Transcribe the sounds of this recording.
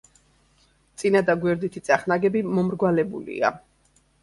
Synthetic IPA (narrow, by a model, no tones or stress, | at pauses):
t̪sʼinad̪aɡwɛɾd̪it̪ʰit̪sʼaχnaɡɛbimɔmɾɡwalɛbṵlḭa̰